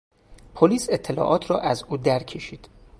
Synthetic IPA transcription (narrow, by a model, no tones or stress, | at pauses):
pʰoliːse̞t̪ʰːelɒ̰ːʔɒːt̪ʰɾɒːʔæzuːd̪æɾcʰe̞ʃiːd̪̥